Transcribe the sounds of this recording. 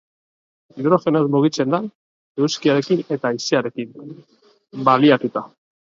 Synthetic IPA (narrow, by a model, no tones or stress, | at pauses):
iðɾo̞fe̞nozmuɣ̞it͡se̞nd̪a | ewskiaɾe̞kine̞t̪aiseaɾe̞kin | baliat̪ut̪a